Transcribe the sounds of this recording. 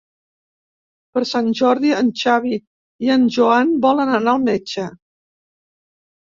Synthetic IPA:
pəɾsanʒɔɾðiənt͡ʃaβi | iənʒuanbɔlənənaəlˠmɛt͡ʃə

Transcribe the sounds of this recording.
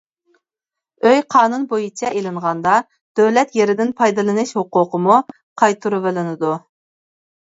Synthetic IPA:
øjqʰɑːnunbojit͡ʃʰɛʔelɪɴʁɑnd̪ɑ | d̪̥øwlɛt̪jeɾɪd̪ɪnpʰɑjd̪ɨlˠɨnɨʃhoqʊːqʰəmu | qʰɑjt̪ʰuɾuvɪlɪnɪd̪u

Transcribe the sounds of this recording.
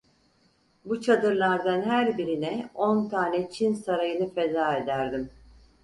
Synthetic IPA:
but͡ʃʰad̪ɯɾlˠaɾd̪anɦæɾbiɾinɛo̞nt̪ʰaːnɛt͡ʃʰinsaɾajɯnɯfe̞zaːe̞d̪æɾd̪im

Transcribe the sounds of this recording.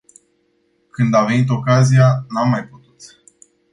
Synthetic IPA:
kɨnd̪ave̞nit̪o̞kazijanamːajput̪u̥t̪

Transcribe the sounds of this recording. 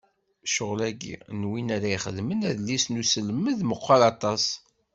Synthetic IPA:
ʃoʁlæɡḭnwinaɾaiχəðmənæðlːisnusəlməðməqʷːalɑt̪ˤɑs

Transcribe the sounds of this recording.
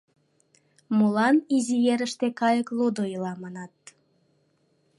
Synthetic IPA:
mulɑnizijeɾəʃt̪ekɑjəklud̪oilɑmɑnɑt̪̚

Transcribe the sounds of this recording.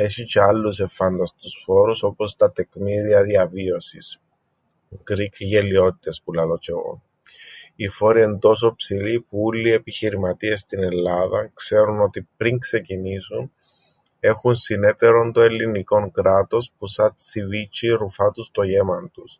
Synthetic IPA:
e̞çit͡ʃeɐlːuse̞fɐnd̪ɐst̪usfo̞ɾuso̞po̞st̪ɐt̪e̞kmiðiɐðiɐvio̞sis | ɡɾikʝe̞lio̞t̪i̥t̪e̞spulɐlo̞t͡ʃeɣo̰n | ifo̞ɾie̞nd̪o̞s̬o̞psilipuulːie̞piçiɾimɐt̪ie̞st̪ine̞lːɐðɐkse̞ɾuno̞t̪ipɾiŋkse̞cinisun | e̞xunsine̞t̪e̞ɾo̞nd̪oe̞lːiniko̞ŋkɾɐt̪o̞spusɐt̪sivit͡ʃiɾufɐt̪ust̪o̞ʝe̞mɐnt̪us

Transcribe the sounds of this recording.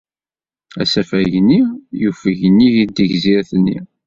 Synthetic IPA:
æ̰sæfæʝənijufəʝənːiʝid̪əʝziɾθnːḭ

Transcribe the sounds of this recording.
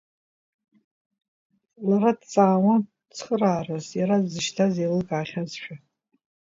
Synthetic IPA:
laradt͡sʼaːwa | t͡sʰχəraːrazjaɾadzɨʃtʰazejlɨɡʼaːχʲazʃᶣʰa

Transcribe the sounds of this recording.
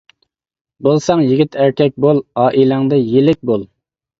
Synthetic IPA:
bolˠsɑŋjiɡʲit̪ʰæɾkʲʰɛk̚ʲbolˠɑːʔilɑŋd̪ɨjelɪk̚ʲbolˠ

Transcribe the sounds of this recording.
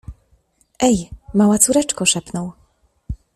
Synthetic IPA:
ɛjmawat̪suɾɛt͡ʂkɔʂɛpnɔw

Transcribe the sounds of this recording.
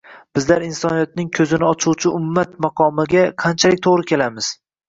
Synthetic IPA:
b̥ɪzlaɾinsɒnijɒt̪̚nɪŋkʲʰɵzɪnɪɒt͡ʃʰuwt͡ʃʰɪʔʊmːat̪̚mɑqʰɒmɪɡʲaqʰant͡ʃʰalɪk̚ʲt̪ʰoʁɾɪkʲʰe̞lamɪz̥

